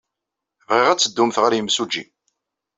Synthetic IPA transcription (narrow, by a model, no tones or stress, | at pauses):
vʁiʁæt͡sːəd̪ːumθʁəɾjəmsud͡ʒːḭ